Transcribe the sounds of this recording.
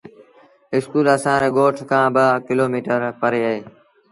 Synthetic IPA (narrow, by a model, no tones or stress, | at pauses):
ɪskuːləsãːɾeːɠoːʈʰkʰãːbəkɪloːmiːʈəɾpəɾeːəɦeː